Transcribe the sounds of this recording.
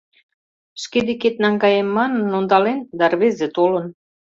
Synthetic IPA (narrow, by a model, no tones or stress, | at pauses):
ʃked̪eket̪nɑŋɡɑjemːɑnənːond̪ɑlend̪ɑrβezet̪olə̆n